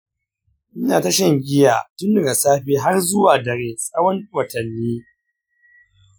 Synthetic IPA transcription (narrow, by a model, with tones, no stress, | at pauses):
ʔɪ˦naː˨ta˦ʃɐ˦˨ŋɡʲɪ˦ja̰˨tʊ˦ndɐ˨ɡa˨saː˦ɸiː˦ɦa˦rzʊ˦waː˨dɐ˨ɾeː˨sʼɐ˦wɐ˦nwɐ˨tɐ˨nːiː˦